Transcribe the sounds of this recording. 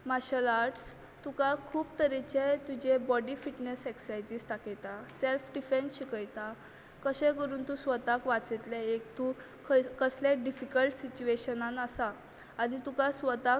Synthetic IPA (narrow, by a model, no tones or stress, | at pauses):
maɕəlaɾʈs | t̪ukakʰuːbt̪əɾit͡ɕet̪ud͡ʑebɔɖifiʈneseksajd͡ʑiːst̪akejt̪aselfɖifensɕikəjt̪a | kəɕẽkəɾuːnt̪usʋət̪akʋat͡set̪leekt̪u | kʰkəsleɖifikəlʈsit͡ɕueɕənãnasaː | nit̪ukasʋət̪a